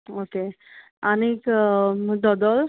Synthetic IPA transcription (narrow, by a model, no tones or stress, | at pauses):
oke | anik | d̪ɔd̪ɔl